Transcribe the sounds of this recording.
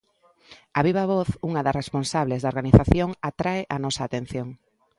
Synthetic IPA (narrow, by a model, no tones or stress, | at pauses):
aβiβɐβɔθuŋɐðɐresponsaβlezðɐoɾɣaniθaθjoŋat̪ɾaɪʔanɔsaːt̪en̟θjoŋ